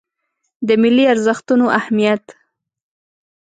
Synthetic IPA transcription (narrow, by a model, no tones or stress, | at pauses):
d̪əmɪlːiaɾzəxt̪unoʔahmijat̪